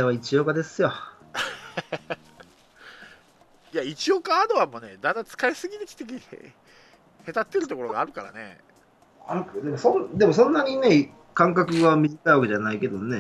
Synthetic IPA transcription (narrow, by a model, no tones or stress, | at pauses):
eβait͡ɕijo̞ːkad̪e̞sɨjo | jait͡ɕiokaːd̪oβamo̞ne̞d̪ãnd̪at͡sɨ̥kaesɨɡʲinikʲi̥t̪ekʲi | he̞t̪at̪ːe̞ɾɯt̪o̞ko̞ɾo̞ɡaːɾɯ̟kaɾa̰ne̞̰ | a̰kd̪emosõnd̪e̞mo̞sõ̞nːaɲ̟ine̞ | kãŋkakɯ̟ɡamʲiʑikaiβake̞d͡ʑanaike̞d̪one